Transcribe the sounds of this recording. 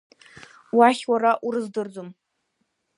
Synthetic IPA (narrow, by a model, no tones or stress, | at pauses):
waχʲwaɾaʔuɾɨzdɨrd͡zom